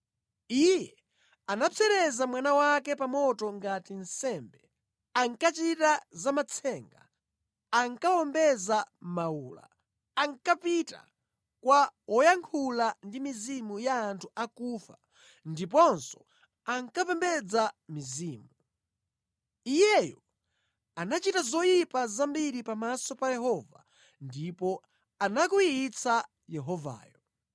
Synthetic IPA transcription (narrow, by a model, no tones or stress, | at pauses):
ijɛ | anapʰɛɾɛzamwanawak̬ɛpamɔtɔŋɡatin̩sɛmbɛ | aŋkat͡ʃitazamat͡sʰɛŋɡa̰ | aŋkawɔmbɛzamauːla̰ː | ŋkapita̰ | kwawʔɔjaŋkʰulandimizimujaːntʰuʔakuːfa | ndipɔnsɔ̥ | aŋkapɛmbɛd͡zamiziːmu | ijɛjɔ | anat͡ʃitazɔjipazambiɾipamasɔpajɛɦɔva̰ | ndipɔ | anakuiit͡sa | jɛɦɔva̰ːjɔ